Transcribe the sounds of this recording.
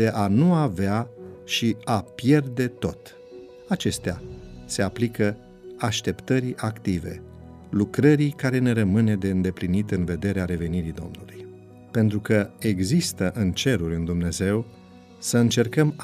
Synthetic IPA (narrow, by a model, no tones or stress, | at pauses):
e̞ʔanuaveaʃiapje̞rd̪e̞t̪o̞t̪ | at͡ʃe̞st̪ease̞aplikə | aʃt̪e̞pt̪əɾiʔakt̪ive̞̰ | lukɾəɾikaɾe̞ne̞ɾəmɨne̞d̪e̞ɨnd̪e̞plinit̪ɨnve̞d̪e̞ɾeaɾe̞ve̞niɾid̪o̞̰mnuluj | pe̞nt̪ɾukəe̞ɡzist̪əʔɨnt͡ʃe̞ɾurʲɨnd̪umne̞ze̞w | səɨnt͡ʃe̞rkəm